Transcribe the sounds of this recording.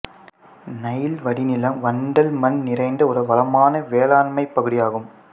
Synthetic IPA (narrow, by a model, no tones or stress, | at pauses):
nɐjɪlʋɐɽɪnɪlɐmʋɐɳɖɐlmɐnnɪrɐɪnd̪ɐɔɾɯʋɐlɐmaːnɐʋeːlaːɳmɐɪpːɐɣɯɽɪjaːɣɯm